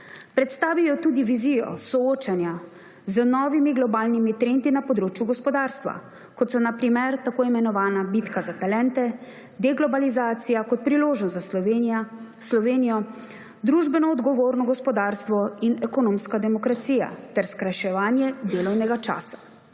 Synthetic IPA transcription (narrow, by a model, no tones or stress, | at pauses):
pɾɛt̪st̪aːʋijɔt̪uːd̪iʋizijɔ̰sɔoːt͡ʃanja | zənɔːʋimiɡlɔbaːlnimit̪ɾend̪inapɔd̪ɾoːt͡ʃjuɡɔspɔd̪aːɾst̪ʋa̰ | kɔt̪sɔnapɾimɛɾt̪akoːimɛnɔʋaːnabit̪kazat̪alɛːnt̪ɛ | d̪ɛɡlɔbalizaːt̪sijakɔt̪̚pɾiloːʒnɔsa | slɔʋeːnijɔ | d̪ɾuʒbɛnɔːd̪ɡɔʋoːɾnɔɡɔspɔd̪aːɾst̪ʋɔinɛkɔnomskad̪ɛmɔkɾat̪sija̰t̪ɛɾskɾajʃɛʋaːnjɛd̪eːlɔwnɛɡat͡ʃa̰ːsḁ